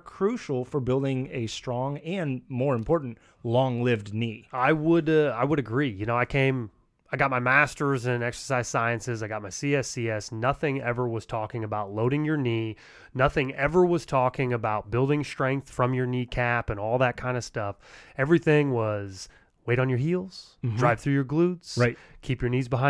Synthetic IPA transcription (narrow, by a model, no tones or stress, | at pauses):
kʰɹ̥ʉʃl̩ˠfə˞bɪlˠdɪ̃ŋɨstɹ̥ɔ̃ŋɨ̃nmɔɹɨ̃mpʰɔɹʔn̩t | lɔ̃ŋlɪvdniaɪwəɾʌaɪwəɾɨɡɹijɨñoʊaɪkʰẽɪ̃m | aɪɡɑt̚maɪmæstə˞zɨ̃nɛksə̥˞saɪz̥saɪɨ̃nsɨzaɪɡɑt̚maɪsiɛsiɛsnʌθɪ̃ŋɛvə˞wʌz̥tʰɔkɪ̃ŋɨbaʊtˡloʊɾɪ̃ŋjə˞ni | nʌθɪ̃ŋɛvə˞wʌz̥tʰɔkɪ̃ŋɨbaʊt̚b̥ɪlˠdɪ̃ŋstɹ̥ɛ̃ŋk̚θfɹʌ̃mjə˞nikʰæpɨ̃nɔlˠðət̚kʰãɪ̃ndɨ̥stʌfɛvɹiθɪ̃ŋwʌz̥ | weɪɾn̩jə˞ɦilˠz̥ | dɹɹaɪv̥θɹʉjə˞ɡlutz̥ɪkʰipjə˞nizbəɦãɪ̃